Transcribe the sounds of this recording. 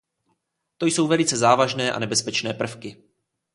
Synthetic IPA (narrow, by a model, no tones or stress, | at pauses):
t̪o̞jso̞wvɛlɪt͡sɛzaːvaʒnɛːʔa̰nɛbɛspɛt͡ʃnɛːpr̩fkɪ